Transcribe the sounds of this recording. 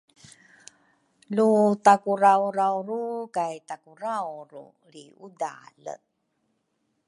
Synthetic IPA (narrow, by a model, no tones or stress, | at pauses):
lutakuɾawɾawrukajtakuɾawɾṵ | li | uda̰lə̰